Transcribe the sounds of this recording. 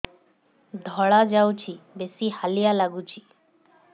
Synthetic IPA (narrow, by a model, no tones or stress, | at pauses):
d̪ʱɔɭad͡ʒawt͡ʃʰibesihalijalaɡut͡ʃʰi